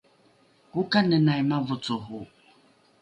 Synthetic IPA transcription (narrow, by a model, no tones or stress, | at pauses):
kukanənajmavut͡suɦu